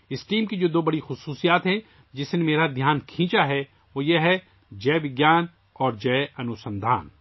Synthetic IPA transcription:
ɪsʈiːmkid͡ʒoːd̪oːbɐɽixʊsuːsijaːt̪ɦɛ̃ | d͡ʒɪsnemeːɾad̪ʱjaːnkʰĩːt͡ʃaɦɛ | ʋoːjeɦɛ | d͡ʒɛːʋɪɡjaːn | ɔːɾd͡ʒɐːʔɐnʊsə̃nd̪ʱa̰ːn

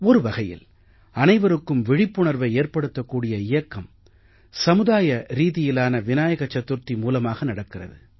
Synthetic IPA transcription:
ɔɾɯʋɐɣɐjɪ̰l | ɐnɐɪʋɐɾɯkːɯmʋɪɻɪpːɯɳɐɾʋɐɪeːɾpɐɽɯt̪ːɐkːuːɽɪjɐɪjɐkːɐm | sɐmɯðaːjɐɾiːðɪjɪlaːnɐʋɪnaːjɐɣɐt͡ʃːɐt̪ːɯɾt̪ːimuːlɐmaːɣɐnɐɽɐkːɪrɐ̰ðɯ

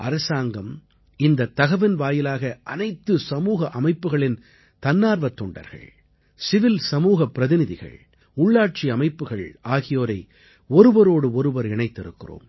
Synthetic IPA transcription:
ʔɐ̰ɾɐsaːŋɡɐm | ɪnd̪ɐt̪ːɐɣɐʋɪnʋaːjɪlaːɣɐʔɐnɐɪt̪ːɯsɐmuːɣɐʔɐmɐɪpːɯɣɐɭɪn | t̪ɐnːaːɾʋɐt̪ːɔɳɖɐ̰ɾɣɐ̰ɭ | sɪʋɪlsɐmuːɣɐpːɪɾɐðɪnɪðɪɣɐ̰ɭ | ʊɭːaːʈ̚t͡ʃiɐmɐɪpːɯɣɐɭaːɣɪjoːɾɐɪ | ɔɾɯʋɐɾoːɽɯɔɾɯʋɐɾɪɳɐɪt̪ːɪɾɯ̰kːɪro̰ːm

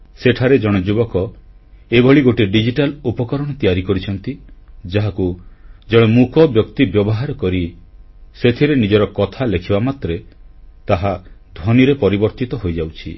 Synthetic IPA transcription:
seʈʰaɾed͡ʒɔɽ̃ed͡ʒubɔkɔebɔɭiɡoʈiɖid͡ʒiʈalupɔkɔɾɔɽ̃ɔt̪ijaɾikɔɾit͡ʃʰɔnt̪id͡ʒaɦakud͡ʒɔɽ̃emukɔbjɔkt̪ibjɔbɔɦaɾɔkɔɾi | set̪ʰiɾenid͡ʒɔɾɔkɔt̪ʰalekʰibamat̪ɾet̪aɦad̪ʱwɔniɾepɔɾibɔɾt̪it̪ɔɦojd͡ʒawt͡ʃʰḭ

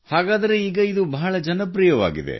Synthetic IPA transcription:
haːɡaːd̪ɐɾe̞iːɡɐid̪ubɐɦɐɭɐd͡ʒɐnɐpɾijɐʋa̰ːɡid̪ḛ

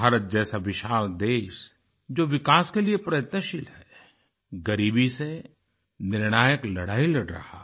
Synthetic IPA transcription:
aːɾət̪̚d͡ʒɛːsaʋɪʃaːld̪eːʃ | d͡ʒoːʋɪkaːskeliepɾɐjət̪nəʃɪlɦɛː | ɡɐɾiːbise | nɪɾɽ̃aːjəklɐɽaːilɐɽɾɐ̰ha̰ː

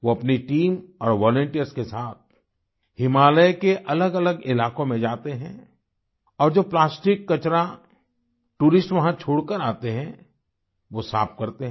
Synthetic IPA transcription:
ʋoɐpniʈiːmɔːɾʋɔːlə̃ɳʈijəɾskesaːt̪̚ | hɪmaːləjkeʔɐləɡɐləɡɪlaːkõmẽd͡ʒaːt̪eɦɛ̰̃ | ɔːɾd͡ʒoːplaːsʈɪkːɐt͡ʃɾa | ʈuːɾɪsʈʋɐɦãt͡ʃʰoːɽkəɾaːt̪eɦɛ̃ | ʋosa̰ːp̚kɐɾt̪eɦɛ̃

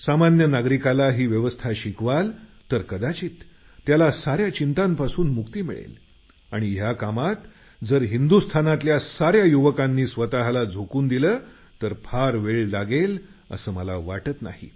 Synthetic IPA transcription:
samanjənaɡɾikalaɦiːʋjəʋəst̪ʰaɕikʋalt̪əɾkəd̪at͡ɕiːt̪ː | jalasaɾjat͡ɕint̪ampasuːnmukt̪iːmḭɭḛl | aɽ̃iɦjakamat̪ | d͡zəɾɦind̪ust̪ʰanat̪ljasaɾjajuʋəkanːiːsʋət̪aɦlad͡zʱokuːnd̪iləː | t̪əɾpʰaɾʋeɭlaɡelə̰səːməlaʋaʈət̪na̰hḭ

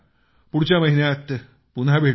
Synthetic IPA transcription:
puɽut͡ɕamɐɦinjaːt̪ | punabʱeː

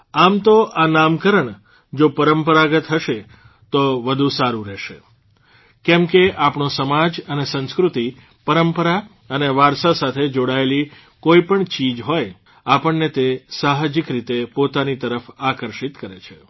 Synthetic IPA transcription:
amt̪oʔanamkəɾəɳ | d͡ʒopəɾəmpəɾaɡət̪ɦəʃe | t̪oʋəd̪ʱũsaɾũɾɛʃe | kɛmkeʔapɳosəmad͡ʒənesə̃nskɾut̪i | pəɾəmpəɾa | əneʋaɾsasat̪ʰed͡ʒoɽaeli | koipəɳt͡ʃid͡ʒɦoj | apəɳːet̪esaɦd͡ʒikɾit̪epot̪anit̪əɾəfakəɾʃit̪kəɾet͡ʃʰe

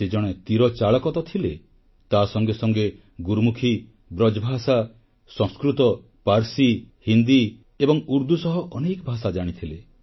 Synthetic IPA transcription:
sed͡ʒɔɽ̃et̪iɾɔt͡ʃaɭɔkɔt̪ɔt̪ʰile | t̪asɔŋɡesɔŋɡe | ɡuɾmukʰi | bɾɔd͡ʒbʱasa | sɔ̃skɾut̪ɔ | paɾsi | hind̪i | ebɔŋuɾd̪usɔɦɔʔɔnekɔbʱasad͡ʒaɽ̃it̪ʰile

